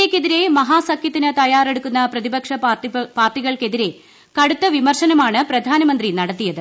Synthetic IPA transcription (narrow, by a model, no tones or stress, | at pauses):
ekːe̞ðiɾe̞mɐɦaːsɐkʰjɐt̪ːinɨt̪ɐjaːre̞ɽukːunːɐprɐðibɐkʂɐpaːrʈːiɣɐɭke̞ðiɾe̞ | kɐɽut̪ːɐʋimɐrʂɐnɐmaːɳɨprɐd̪ʱaːnɐmɐnd̪rinɐɽɐt̪ːijɐðɨ